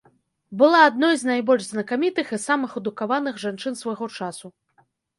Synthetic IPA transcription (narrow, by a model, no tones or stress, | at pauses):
bɨlˠaːd̪nɔjznajbɔlʲʐznɐkamʲit̪ɨxisamɨxud̪ukavanɨxʐant͡ʂɨnsvaɣɔt͡ʂasu